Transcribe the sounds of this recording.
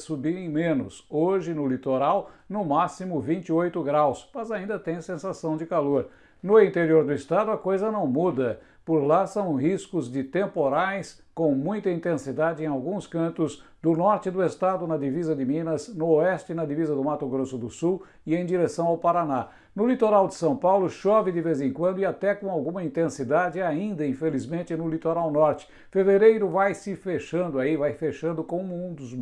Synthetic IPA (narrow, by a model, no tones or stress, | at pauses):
subiɾẽj̃mẽnʊ̰soʒɪnʊlit̪oɾawnʊmasimʊvĩnt͡ʃɪojt̪ʊɡɾawsmɐzaĩnd̪ɐt̪ẽj̃sẽsasɐ̃w̃d͡ʒɪkaloɾ | nʊĩnt̪eɾioɾd̪ʊɪst̪ad̪ʊɐkojzɐnɐ̃w̃mud̪ɐ | pʊɾlasɐ̃w̃hiskʊzd͡ʒɪt̪ẽmpoɾajs | kõw̃mũj̃t̪ɐĩnt̪ẽsid̪ad͡ʒɪẽj̃awɡũskɐ̃nt̪ʊz | d̪ʊnɔɾt͡ʃɪd̪ʊest̪ad̪ʊnɐd̪ivizɐd̪ɪmĩnɐznʊoɛst͡ʃɪnɐd̪ivizɐd̪ʊmat̪ʊɡɾosʊd̪ʊsuw | ɪẽj̃d̪iɾesɐ̃w̃awpaɾana | nʊlit̪oɾawd̪ɪsɐ̃w̃pawlʊʃɔvɪd̪ɪvezẽkwɐ̃nd̪ʊɪat̪ɛkõw̃awɡũmɐĩnt̪ẽsid̪ad͡ʒɪaĩnd̪ɐĩfelizmẽnt͡ʃɪnʊlit̪oɾawnɔɾt͡ʃɪ̥ | feveɾejɾʊvajsɪfeʃɐ̃nd̪ʊaivajfeʃɐ̃nd̪ʊkõw̃mũd̪ʊz